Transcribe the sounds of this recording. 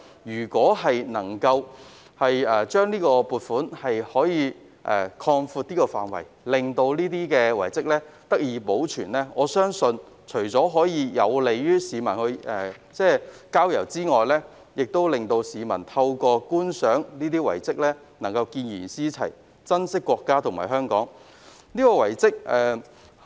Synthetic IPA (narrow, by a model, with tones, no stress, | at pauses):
jyː˨˩kʷɔː˨˥ɦɐ˨jnɐ˨˩ŋkɐ˧w | hɐ˨jɛː˨t͡ʃœː˥ŋniː˥kɔː˧puː˨˧t̚fuː˨˥nhɐ˨jhɔː˨˥jiː˨˧ | ʔɛ̰ː˨˩kʰɔː˧ŋfuː˧t̚niː˥kɔː˧fa̰ː˨˩nwɐ̰˨˩j | lɪ˨ŋt̪o˧wniː˥t̪iː˥kɛː˧wɐ˨˩jt͡sɪ˥k̚lɛː˥t̪ɐ˥k̚jiː˨˧po˨˥wt͡ʃʰyː˨˩nlɛː˥ŋɔː˨˧sœː˥ŋsɵ˧n | t͡ʃʰɵ˨˩ɥt͡sɔː˨˥ɦɔː˨˥jiː˨˧jɐ˨˧wle˨jjyː˥siː˨mɐ˨˩nhɵ˧ɥɛ˨˧t͡sɛː˥˩kaː˥wjɐ˨˩wt͡siː˥ŋɔː˨jlɛː˥ | jɪ˨k̚t̪o˥wlɪ˨ŋt̪o˧wsiː˨˧mɐ˨˩nt̪ʰɐ˧wkɔː˧kuː˥nsœː˨˥ŋniː˥t̪iː˥wɐ̰˨˩jt͡sɪ˥k̚lɛː˥ | nɐ˨˩ŋkɐ˧wkiː˧njy̰ː˨˩nsiː˥t͡sʰɐ̰˨˩j | t͡sɐ˥nsɪ˥kːwɔː˧kːaː˥t̪ʰʊ˨˩ma̰ː˨˩ɦœː˥ŋkɔ̰ː˨˥ŋ | niː˥kɔː˧wɐ˨˩jt͡sɪ˥k̚ʔɛː˨